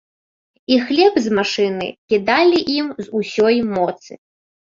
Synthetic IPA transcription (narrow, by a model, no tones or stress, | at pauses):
ixlʲɛbzmaʂɨnɨ̰kʲid̪alʲiʔimzusʲɔjmɔt̪sɨ̰